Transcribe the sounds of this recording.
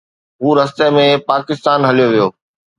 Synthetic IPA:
ɦuːɾɐst̪emẽpaːkɪst̪aːnɦɐlijoʋijoː

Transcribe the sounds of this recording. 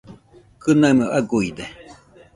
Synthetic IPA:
kɨnaməʔaɡuid̪e

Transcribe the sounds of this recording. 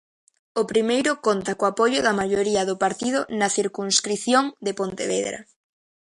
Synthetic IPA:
opɾimejɾʊkont̪ɐkoapojʊðɐmaʎoɾiɐðʊpaɾt̪ið̞ʊnɐθiɾkuŋskɾiθjoŋd̪epont̪ḛβḛðɾɐ̰

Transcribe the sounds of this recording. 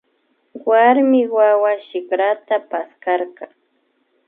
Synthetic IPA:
waɾmɪwawaʃɪkɾat̪apaskɑɾka

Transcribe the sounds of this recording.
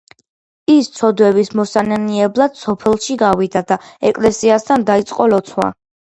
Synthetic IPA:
ist̪sʰɔd̪wɛbismɔsanɛniɛblˠad̪̥sɔpʰɛlˠʃiɡawid̪ad̪aɛkʼlɛsiast̪ʰand̪ait̪sʼqʼɔlɔt̪sʰwa̰

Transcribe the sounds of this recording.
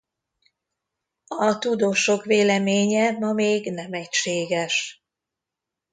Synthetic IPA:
ɒt̪ud̪oːʃo̞kʋeːlɛmeːɲɛmɒmeːɡnɛmɛcʃeːɡɛʃ

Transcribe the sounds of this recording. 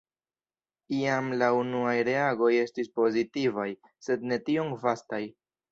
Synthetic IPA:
iamlaunuajɾe̞aɡo̞je̞stispo̞zitivaj | se̞dne̞tio̞ŋvastaj

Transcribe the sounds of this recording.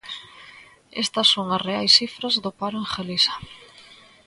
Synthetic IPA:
est̪ɐsːoŋɐsreajsifɾɐzðʊpaɾoeŋxelisɐ̥

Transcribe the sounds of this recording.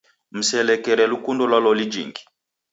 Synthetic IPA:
m̩sɛlɛkɛɾɛlukundɔlwalɔlid͡ʒiŋɡi̥

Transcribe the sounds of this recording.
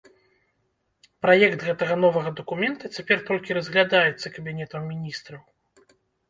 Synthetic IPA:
pɾajɛkt̪ɣɛt̪ɐɣɐnɔvɐɣɐd̪ɐkumʲɛnt̪ɐt͡sʲapʲɛrt̪ɔlʲkʲiɾɐzɣlʲad̪ajɛt̪sːɐkɐbʲinʲɛt̪ɐmmʲinʲist̪ɾɐw

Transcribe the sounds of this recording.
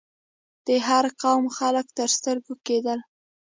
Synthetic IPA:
d̪̥əɦaɾqɑwmxaləkt̪əɾst̪əɾɡoked̪əl

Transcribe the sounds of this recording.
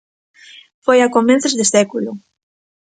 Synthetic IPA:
fojakomẽnθezðesɛkulʊ

